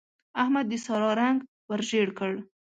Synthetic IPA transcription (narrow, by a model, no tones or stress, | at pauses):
ahmad̪ːəsɑɾɑɾaŋɡ | wəɾʒeɽkəɽ